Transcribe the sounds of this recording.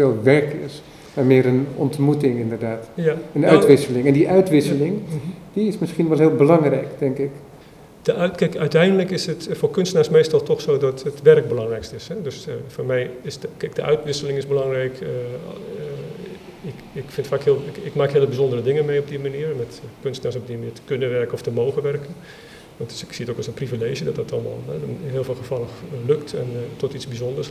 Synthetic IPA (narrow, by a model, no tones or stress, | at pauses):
felˠʋɛrkɪ̰s | mamɪːəɾənɔ̰ntmutɪŋɪndərdaːtjaənœtʋɪsəlɪŋɛndiʔœɥtʋɪsəlɪŋdiɪsmɪskinʋɛlˠɦɪːlˠbəlɑŋrɛjkdɛŋkɪk | dəʔkɛkœɥtɛjndələkɪsətfoːrkønstənaːrsmeːstɔlˠtɔxsoːdɔtətʋɛrk̚bəlɑŋrɛjkstɪshɛdøsfoːrmɛjɪskɛk̚dəʔœ̰ɥtʋɪsəlɪŋɪsbəlɑŋrɛjk | ɪkɪkfɪntfaːkhɪəlˠɪkmaːkɦeələbizondərədɪŋəmejɔb̚dimaniːərmɛtkønstnas̬ɔb̚dimniːtə̥kønəʋɛrkəɔftəmoːɣəʋɛrkən | ʋɑntsɪksiətoːkɔsənprivileːʒjədɔtdɔtʰɔlˠmɔ̰lˠɛɦɪːlˠfeːlˠxəfɔlˠəxløktɛ̰ntʰɔtit͡ssbizondərs